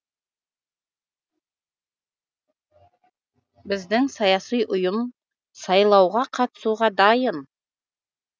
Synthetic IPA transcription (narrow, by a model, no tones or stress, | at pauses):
bɪzd̪ɪŋsɑjɑsijʔʊjəm | sɑjlˠɑwʁɑqʰɑt̪ə̥suʁɑd̪ɑjəm